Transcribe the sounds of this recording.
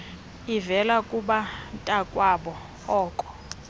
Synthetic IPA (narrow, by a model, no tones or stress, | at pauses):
ivɛlakʼuɓantʼakʼwaɓɔ | ɔːkʼɔ̥